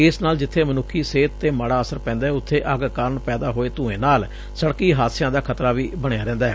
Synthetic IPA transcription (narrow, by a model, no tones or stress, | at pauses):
ɪsnaːld͡ʒɪt̪ʰːeːmənʊkʰːiːseːt̪ːeːməɽaːəsəɾpɛ̃ːnd̪aːɦɛːʊt̪ʰːeːʔəɡkaːɾəɳpɛːd̪aːɦoːeːt̪ũːẽːnaːl | səɽkiːɦaːt̪sɪjãːd̪aːkʰət̪ɾaːʋiːbəɽejaːɾɛ̃ːnd̪aːɦɛː